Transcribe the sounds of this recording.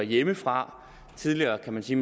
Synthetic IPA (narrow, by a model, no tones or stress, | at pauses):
æjeməfʁɑ̈ | t͡sʰið̞ˠliɐːkʰæmænsiːm